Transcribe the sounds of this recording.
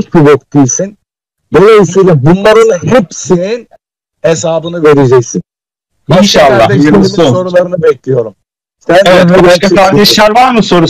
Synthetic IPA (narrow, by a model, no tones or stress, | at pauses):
t͡ʃbibok̚t̪ʰijsin | d̪o̞lˠajisijlʲabunlˠaɾonhepsinin | es̬aːbɯnɯve̞ɾe̞d͡ʒɛcsin | inʃalˠːad̪ɛiɾeɾimisoso̞ɾulˠaɾɯnɯbɛclʲijo̞ɾum | sænɛvɛobaʃtkakʰaɾɛʃlʲˠæɾvaɾmɯso̞ɾu